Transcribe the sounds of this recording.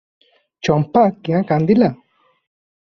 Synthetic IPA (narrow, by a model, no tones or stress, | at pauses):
t͡ʃampakiãkand̪ila